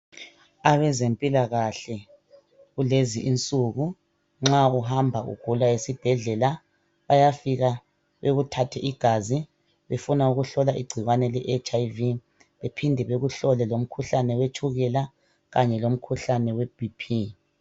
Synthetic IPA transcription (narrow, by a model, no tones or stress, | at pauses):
aβɛzempʼilaɣaɬɛ | ɣuleziʔint͡sʼuɣu | ŋ͡ǁauɦambʱaʔṵɡ̥ʱulaesib̥ʱɛɮɛla | βajafiɣa | βeɣutʰatʰɛʔiɡ̥ʱazi | βefunauɣuɬɔlaʔḭɡ͡ǀʱiɣwanɛlɛʔet͡ʃʼajvi | βepʰindʱɛβeɣuɬɔlɛlom̩kʰuɬanɛwet͡ʃʰʼuɣɛla | ɣaɲɛlom̩kʰuɬanɛwɛb̥ipʰi